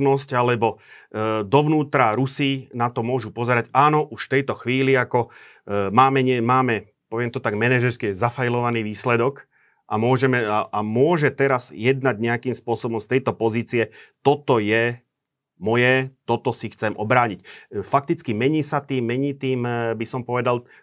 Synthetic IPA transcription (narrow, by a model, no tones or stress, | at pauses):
nɔscalɛbɔ | d̪ɔʋnuːt̪ɾaɾusinat̪ɔmʊɔʒupɔzɛɾaɟaːnɔʔuʃft̪ɛjt̪ɔxʋiːliakɔ | maːmɛɲɪɛmaːmɛ | pɔʋɪɛmt̪ɔt̪aɡmɛnɛʒɛɾskɛɛzafajlɔʋaniːʋiːslɛd̪ɔk | ʔamʊɔʒɛmɛaamʊɔʒɛt̪ɛɾazjɛd̪naɟɲɛakiːmspʊɔsɔbɔmst̪ɛjt̪ɔpɔziːt͡siɛt̪ɔt̪ɔjɛ | mɔjɛt̪ɔt̪ɔsixt͡sɛmʔɔbɾaːɲicfak̚t̪it͡skimɛɲiːsat̪iːmːɛɲiːt̪iːmbisɔmpɔʋɛd̪al